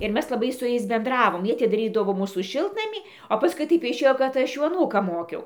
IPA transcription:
ɪr ˈmʲɛs lˠɐˈbɐɪ sʊ ˈjɛɪs bʲɛnˈdrɑːʋoːm ˈjiɛ ɐtʲɪdɐˈrʲiːdɐʋoː ˈmuːsuː ˈʃʲɪlˠtnɐmʲiː oː pɐsˈkʊɪ ˈtɐɪp ɪʃʲˈeːjoː kɐt ˈɐʃ ˈjuː ɐˈnuːkɑː ˈmoːkʲɛʊ

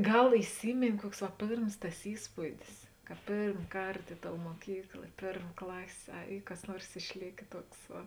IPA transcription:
ˈɡɐlˠ ɪˈsʲiːmʲeːnʲeː ˈkuɔks ʋɐ ˈpʲeːrms tɐs ˈiːspuːdʲɪs kɐ ˈpʲeːrm ˈkɐrt ˈɪ ˌtoːʊ muɔˈkʲiːklˠɐ ɪ ˈpʲeːrm ˈklˠɑːsʲeː ˈɐ ˈiː kɐs ˈnuɔrs ɪʃʲˈlʲeːkʲeː ˈtuɔks ˈʋɐ

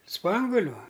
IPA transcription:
ˈspɐŋɡʊlʲʊ

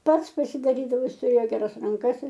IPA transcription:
ˈpɐts pɐsʲɪdɐˈrʲiːdɐʋoː ˈjɪs tʊˈrʲeːjoː ɡʲɛˈrɐs rɐŋˈkɐs ɪr

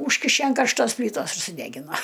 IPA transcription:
ˈuːʃʲkʲɪʃʲɛ ɐn kɐrʃˈtoːsʲˈpʲlʲiːtoːs ɪr sʊˈdʲæːɡʲɪnoː

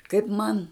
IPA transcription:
kɐɪp ˈmɐn

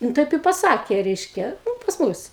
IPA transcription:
nʊ ˈtɐɪp ɪ pɐˈsɑːkʲeː ˈrʲɛɪʃʲkʲɛ nʊ pɐs ˈmʊs

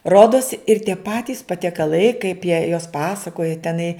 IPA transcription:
ˈroːdoːs ɪr tʲiɛ ˈpɑːtʲiːs pɐtʲiɛkɐˈlˠɐɪ kɐɪp jiɛ joːs ˈpɑːsɐkoːjɛ tʲɛˈnɐɪ

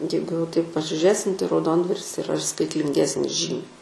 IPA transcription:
ˈjɛɪɡʊ jɛʊ tɐɪp pɐsʲɪʒʲʊˈrʲeːsʲɪm tɐɪ rɐʊˈdoːndʋɐrʲɪs ɪˈrɐ ɪr skɐɪtʲlʲɪŋʲˈɡʲæːsʲnʲɪs ˈʒʲiːmʲɛɪ

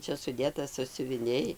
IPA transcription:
ˈt͡ʃʲɛ sʊˈdʲeːtɐ sɑːsʲʊʋʲɪˈnʲɛɪ

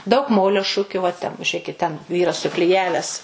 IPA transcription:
dɐʊk ˈmoːlʲoː ˈʃʊkʲʊ ʋɐ tʲɛn ʒʲʊˈrʲeːkʲɪt tʲɛn ˈʋʲiːrɐs sʊklʲɪˈjæːʋʲæːs

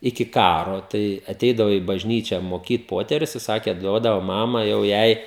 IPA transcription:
ɪkʲɪ ˈkɑːroː ˈtɐɪ ɐˈtʲɛɪdɐʋoː iː bɐʒʲˈnʲiːt͡ʃʲæː moːˈkʲiːt ˈpoːtʲɛrʲʊs ɪ ˈsɑːkʲeː ˈduɔdɐʋoː ˈmɑːmɐ jɛʊ ˈjɛɪ

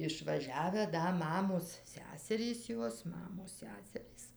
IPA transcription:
ɪʃʋɐˈʒʲæːʋʲæː ˈdɐ ˈmɑːmoːs ˈsʲæːsʲɛrʲiːs ˈjoːs ˈmɑːmoːs ˈsʲæːsʲɛrʲiːs

